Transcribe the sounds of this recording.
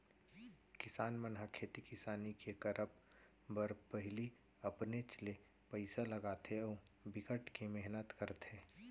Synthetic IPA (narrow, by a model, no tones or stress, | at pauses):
kɪsaːnmənɦakʰeːt̪ikɪsaːnikekɐɾʔəp | bəɾpəɦɪli | ɐpnet͡ʃəle | pəɪsalɐɡaːt̪ʰeɔː | bɪkəʈkemɛɦnət̪kəɾt̪ʰeː